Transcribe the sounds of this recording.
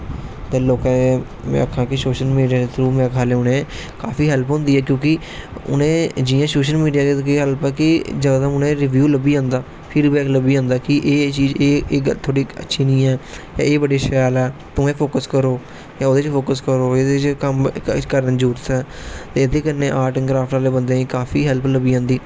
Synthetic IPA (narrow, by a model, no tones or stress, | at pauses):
t̪eːloːkãːe | mɛ̰̃əkʰãːkɪsoːʃəlmiːɖijaːet̪ɾuːmɛ̃ːkʰaːleːʊnẽː | kaːpʰiːɦɛlpɦʊ̃nd̪iːɛːkjõːkɪ | ʊ̰nẽːd͡ʒiːjãːsoːʃəlmiːɖijaːkkeːɦəlpɛːkɪd͡ʒəɡd̪ãʊnẽːɾɪʋjuːləbiːãːnd̪aː | pʰiːɖbɛːkləbiːãːnd̪aːkɪʔeːt͡ʃiːzeːət̪ʰoːɽiːə̰tːʃʰiːnĩːɛː | ja̰ːeːbəɖeːʃaːlɛːt̪ʊ̃ẽːpʰoːkəskəɾoː | jãːoːd̪eːt͡ʃpʰoːkəskəɾoːed̪eːt͡ʃkəmkəɾə̃nd͡ʒuːɾt̪ɛːt̪eːɪd̪eːkənːẽːʔaːʈəŋkɾaːpʰʈaːleːbənd̪ẽːkaːpʰiːɦɛlpləbiːãːnd̪iː